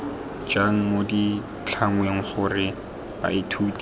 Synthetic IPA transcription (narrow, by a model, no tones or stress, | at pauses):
d͡ʒaŋ̩modi | t͡ɬʰaŋweŋ̩χʊrɪ | b̥a̰ɪtʰuːtʼi